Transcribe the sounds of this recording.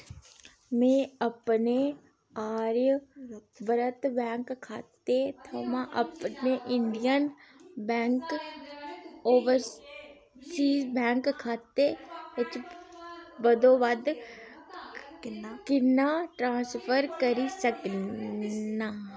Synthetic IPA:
mẽɐpne | aːɾj | bəɾət̪bɛ̃ːŋkkʰːaːt̪et̪ʰomãʔɐpneʔɪ̃ɳɖijənbɛ̃ːŋk | oːʋəɾ | siːzbɛ̃ːŋkkʰːaːt̪eʊt͡ʃ | bəd̪oʋad̪ | kɪnaʈɾãːspʰəɾkəɾisək | naː

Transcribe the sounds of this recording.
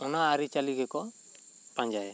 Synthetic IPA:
ɔnaːɾit͡ʃaliɡɛkɔ | paɲd͡ʒajɛ

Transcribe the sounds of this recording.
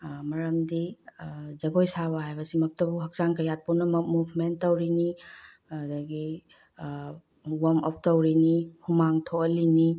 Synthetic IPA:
mɐɾɐmdi | zɐɡojsaβɐɦajbɐsimɐk̚tɐbuɦɐk̚saŋkɐjat̚ponɐmɐmubʰʱmentːɐwɾini | ɐd̪ɐɡi | wɐmɔ̰p̚ʰtɐwɾinihumaŋtʰoɐlini

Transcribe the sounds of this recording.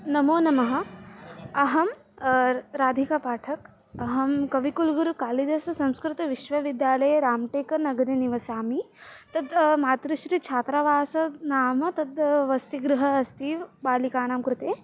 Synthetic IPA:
nɐmoːnɐmɐɦɐ̆ | ɐɦɐm | ɾaːd̪ʱikapaːʈʰɐk | ɐɦɐmkɐʋikulɡuɾukaːlid̪ɐsɐsɐ̃mskɾut̪ɐʋiʃʋɐʋid̪jaːlɐjeɾaːmʈeːkɐɾnɐɡɐd̪eniʋɐsaːmit̪ɐd̪maːt̪ɾiʃɾit͡ʃʰaːt̪ɾaʋaːsɐnaːmɐt̪ɐd̪ʋɐst̪iɡɾuɦɐːst̪iːʋbaːlikaːnaːmkɾut̪eː

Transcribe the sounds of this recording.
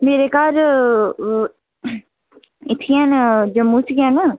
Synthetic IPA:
meːɾekaːɾ | ɪt̪ʰijãːnd͡ʒɐmːũt͡ʃʰɡʲjanə

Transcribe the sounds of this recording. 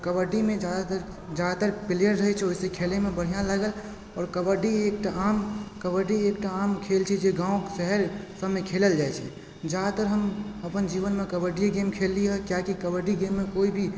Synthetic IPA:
kəbəɖimed͡ʒad̪at̪əɾ | d͡ʒad̪at̪əɾpilijəɾːəɦɛt͡ʃʰɛoisekʰelemebəɽ̤ijãlaɡəl | ɔːɾkəbəɖiek̚ʈaamkəbəɖiek̚ʈaːmkʰelt͡ʃʰɛd͡ʒeɡãũksəɦəɾsəmekʰeləld͡ʒajt͡ʃʰɛ | d͡ʒad̪at̪əɾɦəməpənd͡ʒiβənmekəbəɖijeɡemkʰelːiɦəkjakikəbəɖiɡemːekoibʱi

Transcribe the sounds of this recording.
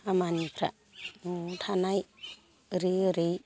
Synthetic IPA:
amanipʰɾa̰ | otʰanaj | ɾiɯɾej

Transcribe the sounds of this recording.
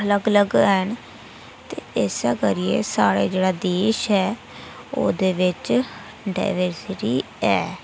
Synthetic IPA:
ələɡələɡən | t̪eːɪsɛːkəɾijḛːsaːɽeːd͡ʒeːɽaːd̪eːʃɦɛː | o̰ːd̪eːʋɪt͡ʃ | ɖa̰ːɪʋəɾsɪʈiː | ɛː

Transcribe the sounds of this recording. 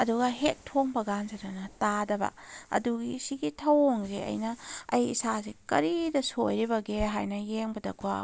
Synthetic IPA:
ɐduɡɐɦet̚tʰoŋbɐɡanzɐɾɐnɐtadɐbɐ̰ɐ̰duɡisiɡitʰɐwŋzeɐ̰jnɐɐ̰jḭsasikɐɾidɐsojɾibɐɡeɦajnɐjeŋbɐdɐ̰kʰuwa̰

